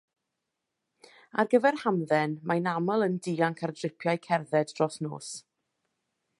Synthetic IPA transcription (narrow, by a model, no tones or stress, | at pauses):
a̰rɡəvɛrhamðɛnmajnaməlˠəndiːaŋkʰardrɪpʰjajkʰɛrðɛdrɔsno̰ːs